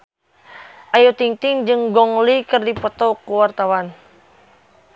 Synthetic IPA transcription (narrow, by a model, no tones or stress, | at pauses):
ʔajut̪iŋt̪ɪŋd͡ʒɨŋɡɔŋlikɨrdipɔt̪ɔkuwart̪awan